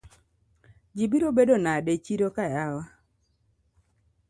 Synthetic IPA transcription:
d͡ʒibiɾobedonadet͡ʃiɾokajawa

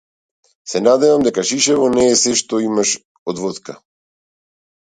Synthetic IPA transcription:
sɛnad̪ɛvamd̪ɛkaʃiʃɛvɔnɛːsɛʃt̪ɔimaʃ | ɔd̪vɔt̪ka

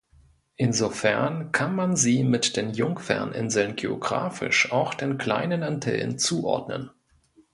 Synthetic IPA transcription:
ʔɪnzofɛɐnkʰanmanziːmɪtd̥eːnjʊŋkfɛ̰ɐnʔɪnzl̩nɡeːoɡʁa̰ːfɪ̰ʃʔaʊxd̥eːnkʰl̥a̰ɪnənantʰɛ̰l̰nt͡suːʔɔ̰ɐdnə̰n

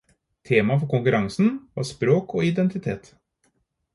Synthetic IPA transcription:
t̪ʰeːmɑfɔɾkʊŋkʉɾɑŋsn̩ʋɑ̰ːspɾoːkoːɪd̪ɛnt̪ɪt̪ʰeːt̪

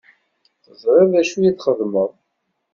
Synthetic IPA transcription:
θəzˤɾˤɪvæʃujiθχəðməðˤ

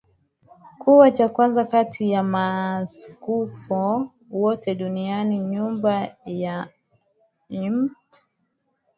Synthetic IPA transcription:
kuwat͡ʃakwanzakatʰijamaskufɔ | wɔtɛɗunianiɲumbaja | imt

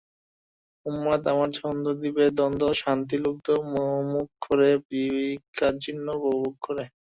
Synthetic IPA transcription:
umɾat̪amaɾt͡ɕʰɔnd̪ʱod̪ibed̪ɔnd̪ʱoʃant̪iluk̚d̪omoomukːʰoɾepɾibikʰːad͡ʑinːobobukkoɾe

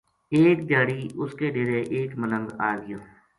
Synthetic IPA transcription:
eːkd͡ʒ̪aːɽiːʊskeːɖeːɾeːʔeːkmənə̃ŋɡaːɡɪjoː

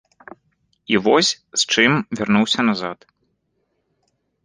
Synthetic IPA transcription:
ivɔsʲ | st͡ʂɨmvʲarnuwsʲɐnazat̪

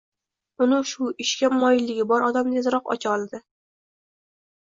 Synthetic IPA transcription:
ʊnɪʃʊɪʃkʲamɒjɪlːɪɡʲɪbɒɾɒd̪amnezɾɒqɒ̰t͡ʃʰɒlˠd̪ɪ

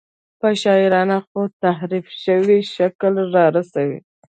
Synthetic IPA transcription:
pəʃɑɪɾɑnaxot̪ahɾifʃəwiʃaklɾɑɾasawḭ

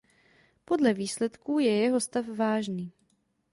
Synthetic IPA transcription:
po̞dlɛviːslɛt̪kuːjɛjɛɦost̪afvaːʒniː

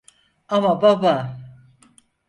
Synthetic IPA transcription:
amababa

